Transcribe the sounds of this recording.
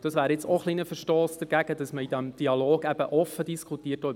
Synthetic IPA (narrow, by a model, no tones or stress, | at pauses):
d̥ɑsʋæːɾjɪt͡soχlinəfəʃtoːsd̥əɾɡ̥æɡ̥ədɑsməid̥ɛmd̥iɑloːɡɛb̥əʔɔfədiskʰutiːətːo